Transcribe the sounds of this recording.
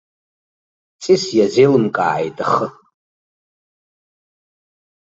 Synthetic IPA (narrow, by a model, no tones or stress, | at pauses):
t͡sʼisjazejlɨmkʼa̰ʕajtʼaχə